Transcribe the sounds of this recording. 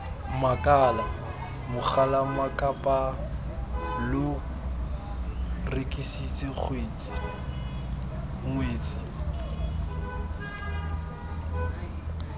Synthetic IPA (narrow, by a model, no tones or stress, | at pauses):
makʼala | mʊχʰalamakʼapʼa | lʊ | rekʼisit͡sʼɪk͡xʰweːt͡sʼi̥ | ŋweːt͡sʼi